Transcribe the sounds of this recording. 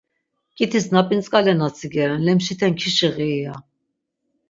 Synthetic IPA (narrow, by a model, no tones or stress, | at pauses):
kʼit̪ʰisnapʼint͡sʼkʼalɛnat͡sʰiɡɛɾɛnlɛmʃit̪ʰɛnkʰiʃiʁiːja